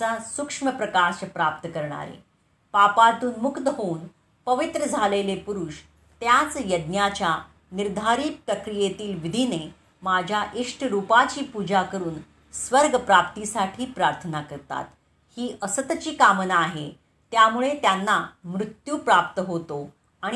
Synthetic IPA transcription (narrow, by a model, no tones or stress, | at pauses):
asukʂməpɾəkaɕpɾap̚t̪əkəɾɳ̃a̰ɾḛ | papat̪uːnmukt̪əɦoun | pəʋit̪ɾəd͡zʱalelepuɾuʂ | t̪jat͡sjəd̪njat͡ɕja | niɾd̪ʱaɾiːpɾəkɾijet̪iːlʋid̪ʱine | mad͡ʑʱjaʔiʂʈʰɾupat͡ɕiːpud͡ʑakəɾuːn | sʋəɾɡəpɾap̚t̪isaʈʰiːpɾaɾt̪ʰənakəɾt̪a̰t̪ | hiːʔəsət̪t͡ɕiːkamənaːɦe | t̪jamuɭet̪janːamɾut̪juːpɾap̚t̪əɦot̪o | aɽ̃